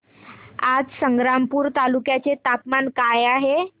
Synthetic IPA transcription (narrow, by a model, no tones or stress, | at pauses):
ad͡zsəŋɡɾampuːɾt̪alukjat͡set̪apmankajaɦe